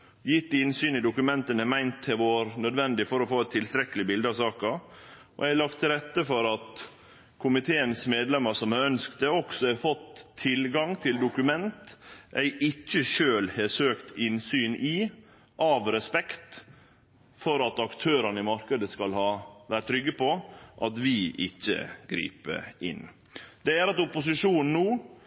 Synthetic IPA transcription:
jɪt̪ːɪnsyːnɪd̪ʊkʉmɛnt̪ənəmæɪnt̪ʰɛʋoːɾnœd̪ʋɛnd̪ɪfɔɾɔfoːɛt̪ʰːɪlst̪ɾɛkːəlɪbɪld̪əɑːʋsɑːkɑʔɔ̰æælɑkt̪ʰːɪɾɛt̪ːəfɔɾɑt̪ | kʰʊmɪt̪ʰeːənsmeːd̪lɛməɾʂɔmhɑœnsk̪ɛɔksɔɛfɔt̪ʰːɪlɡɑŋt̪ʰɪld̪ʊkʉmɛnt̪ʔæɪʔɪçːəʃøːlhɛsøːkt̪ʰɪnsyːni | ʔɑʋɾɛspɛkt̪ | fɔɾɑt̪ɑkt̪ʰøːɾɑnəɪmɑɾkəd̪əskɑlhɑːʋæːɾt̪ʰɾʏɡːəpɔʔɑt̪ʋɪʔɪ̰çːə̰ɡɾḭːpə̰ɪ̰n | d̪ɛæɾɑt̪ʊpʊsɪʂuːnn̩nuː

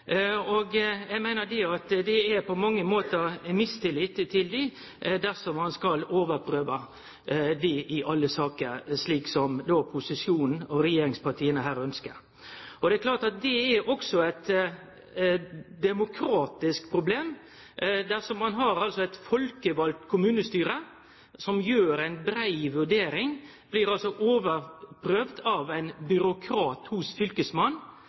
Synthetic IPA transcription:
ɔɡjæɪmæɪnəd̪ɪɑt̪d̪ɛɛɾpɔmɑŋːəmoːt̪əɾmɪst̪ɪlɪt̪ʰːɪld̪ɪ | d̪æɾsɔmːɑnskɑloːʋəɾpʰɾøːʋɑ | d̪ɛʔɪʔɑlːəsɑːkəɾʂliːksɔmd̪oːpʰʊsɪʂjuːnn̩ɔɾɛjeːɾɪŋspʰɑt̪ʰiːənəɦæːɾœnskəɾ | ɔd̪ɛɛkʰlɑːʈ̪ɑt̪̚d̪ɛɛʔɔksɔæt̪ | d̪ɛmʊkʰɾɑːt̪ɪskpʰɾʊbleːm | d̪æsɔmːɑnɦɑɾɑlsɔɛɪt̪fɔlkəʋɑlt̪kʰʊmʉːnəst̪yːɾə | sɔmjøːɾæɪnbɾæɪʋʉɖeːɾɪŋ | b̥liːɾɑlsɔʔoːʋəɾpʰɾøʋd̪ɑʋæɪnbʏɾʊkʰɾɑːt̪hʊsfʏlkəsmɑnː

